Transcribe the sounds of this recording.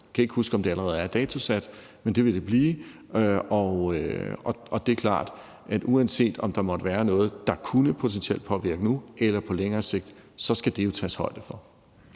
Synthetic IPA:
jkʰæe̝ɡ̥husɡ̥əɒ̽md̥e̝æləʁɛːð̞̩ˠæɐd̥ɛːt͡sʰo̝sæd̥ | mend̥e̝ʋe̝d̥e̝b̥liː | ɒøɒʔɒ̽d̥e̝kʰlɑ̰̈ːd̥ | ʔæd̥ʔuænse̝̰ːd̥ɒ̽md̥ɑ̈mɒ̽d̥əʋæːɐnɔ̽ːð̞̩ˠd̥ɑ̈kʰunəpʰo̝t͡sʰensiel̰d̥̚pʰɒ̽ʋiɐɡ̥ənuelɐpʰɒ̽leŋɐːse̝ɡ̥̚d̥sɒ̽sɡ̥æd̥e̝jo̝t͡sʰɛ̰ːshɒ̽ɪ̰d̥əfɒ̽

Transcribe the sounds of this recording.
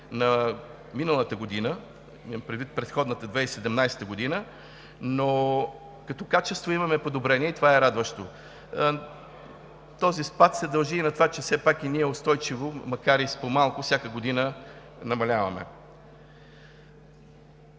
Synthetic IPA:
nɐ | minəlˠət̪əɡod̪inə | mpɾʲɛd̪vit̪̚pɾɛt̪xɔd̪nət̪əd̪vɛisɛd̪ɛmnajsɛ̥t̪əɡod̪inə | no | kɐt̪ɔkat͡ʃɛst̪voimɐmɛpod̪obɾɛniɛit̪ovaɛɾad̪vəʃt̪o | t̪ɔzispat̪sɛd̪ɐlˠʒiːnɐt̪vat͡ʃɛfsɛpakiniɛʊst̪ɔjt͡ʃivomɐkaɾispomalˠkʊfsʲjakəɡod̪inə | nɐmɐlʲavɐmɛ̰

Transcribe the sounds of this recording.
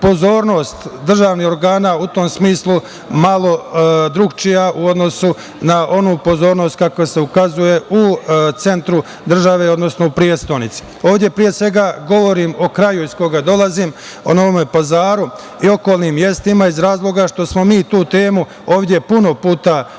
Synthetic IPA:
po̞zo̞ːɾno̞ːst̪d̪r̩ʒaːʋniho̞ɾɡaːnaːut̪o̞ːmsmiːslˠu | malo̞d̪ɾuɡt͡ʃijaʔuo̞d̪no̞su | naʔo̞nuːpo̞zo̞ːɾno̞ːst̪̚kakojese̞ukazuje̞ut̪se̞nt̪ɾu | d̪r̩ʒaʋe̞ːo̞d̪no̞sno̞upɾiet̪st̪onit̪si̥ | oːʋd̪ʲje̞pɾije̞sʋe̞ɡaɡo̞ʋo̞ɾiːmo̞kɾajuizko̞ɡad̪o̞lazim | ono̞ʋome̞pazaːɾu | io̞ko̞ːlˠniːmje̞st̪imaizɾaːzlˠo̞ɡaʃt̪o̞smo̞miːt̪uːt̪e̞ːmu | o̞ːʋd̪ʲje̞puno̞puːt̪a

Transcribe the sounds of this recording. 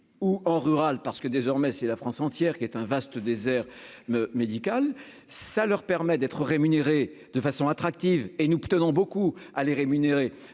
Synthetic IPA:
uɑ̃ʁyʁalpaʁsə̥kəd̪ezɔʁmɛsɛlafχɑ̃sɑ̃t̪jɛʁkʲiɛt̪ɛ̃vast̪əd̪ezɛʁ | med̪ikal | salœʁpɛʁmɛd̪ɛt̪χəʁemyneʁe | d̪̥əfasɔ̃at̪χak̚t̪ivenupt̪ənɔ̃bokualeʁemyneʁe

